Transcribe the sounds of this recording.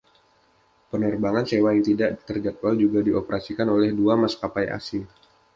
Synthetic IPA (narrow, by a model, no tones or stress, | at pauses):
pənərbaŋansewaŋt̪idaʔt̪ərd͡ʒat̪̚wald͡ʒuɡadiopəɾasikanolɛhduamaskapaja̰si